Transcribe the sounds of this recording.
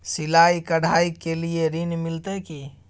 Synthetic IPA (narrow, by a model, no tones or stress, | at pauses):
silaikəɽ̤ʱaikelijeɾinmilt̪ɛki